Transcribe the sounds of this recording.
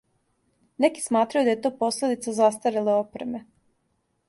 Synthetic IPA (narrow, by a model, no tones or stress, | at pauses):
neki̥smaːt̪ɾajud̪ajet̪oːpo̞sled̪it̪sazast̪aɾileopɾeme